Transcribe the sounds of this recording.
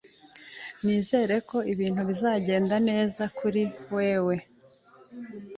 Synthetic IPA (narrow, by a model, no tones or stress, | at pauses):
niːze̞ːɾe̞ko̞iβiːn̥huβizaːɟe̞ːndane̞ːzakuɾiwe̞ːwe̞